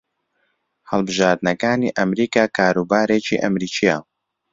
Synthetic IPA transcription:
hɐlbɨʒaːɾd̪nɐkaːnḭːʔɐmɾiːkaːkʰaːɾuːbaːɾeːt͡ʃḭʔɐmɾiːt͡ʃʰija

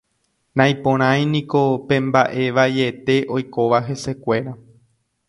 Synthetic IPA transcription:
nãj̃põɾ̃ãj̃nĩko̞pẽ̞mbaʔe̞ʋaje̞t̪e̞ʔo̞jko̞ʋaɦe̞se̞kʷe̞ɾa

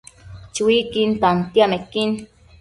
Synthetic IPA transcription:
t͡ʃuwikint̪ant̪iamekin

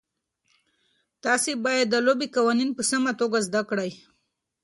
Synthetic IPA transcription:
t̪ɑsebɑjad̪ːəlobikawɑninpəsamat̪oɡazd̪akɽaj

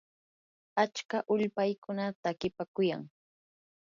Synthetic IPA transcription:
at͡ʃkaʔʊʎpajkʊnat̪aːkɪpakʊja̰ŋ

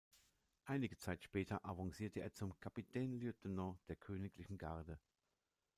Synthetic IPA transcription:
ʔaɪnɪɡət͡saɪtʃpɛːtʰɐʔavɔŋsiːɐtəʔḛːɐt͡sʊmkʰapitʰɛːnliotnɔ̃d̥eːɐkʰøːnɪklɪçn̩ɡaɐdə

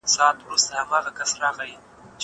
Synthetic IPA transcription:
sɑːt̪wɾust̪ahamɑːɣakasɾɑɣaji | t͡ʃ

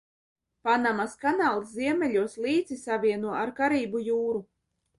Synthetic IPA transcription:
panamaskanaːlˠsziɛmɛlʲuɔslˠiːd̪z̥isavʲiɛnuɔaɾkaɾiːbujuːɾu

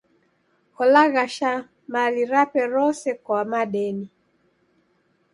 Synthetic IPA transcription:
hɔlaɣaʃa | maliɾapɛɾɔsɛkwamaɗɛni

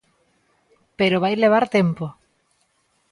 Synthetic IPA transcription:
peɾoβ̞ajleβ̞aɾt̪empo

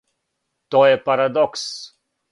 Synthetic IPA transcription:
t̪ɔɛpaɾad̪ɔks

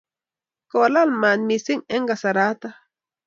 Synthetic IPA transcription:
kolalmanmisiŋeŋɡasaɾat̪a

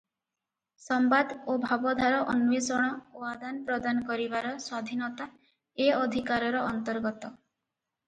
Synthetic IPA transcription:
sɔmbad̪obʱabɔd̪ʱaɾɔʔɔnuwesɔɽ̃ɔoad̪anpɾɔd̪anɔkɔɾibaɾɔswad̪ʱinɔt̪a | eɔd̪ʱikaɾɔɾɔɔnt̪ɔɾɡɔt̪ɔ

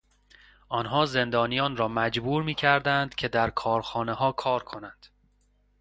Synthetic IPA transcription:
ʔɒːnɦɒːze̞nd̪ɒːnijɒːnɾɒːmæd͡ʒbuːɾmiːcʰæɾd̪ænd̪cʲʰe̞d̪æɾkʰɒːɾxɒːneɦɒːkʰɒːɾkʰo̞nænd̪̥

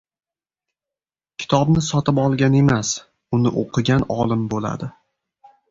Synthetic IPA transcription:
kʲʰɪ̥t̪ʰɒbnɪsɒt̪ɪpɒlˠɡʲane̞mas | ʊnɪʔo̰qʰɨɡʲanɒlˠɪmbola̰d̪ɪ

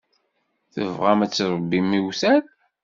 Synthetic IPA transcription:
θə̰vʁamæt͡sːɾˤəbːimiwsæɾ

